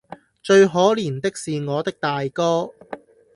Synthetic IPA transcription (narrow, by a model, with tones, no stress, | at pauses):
t͡ʃɵ˧ɥɦɔː˨˥liː˨˩nt̪ɪ˥k̚siː˨ŋɔː˨˧t̪ɪ˥k̚t̪aː˨jkɔː˥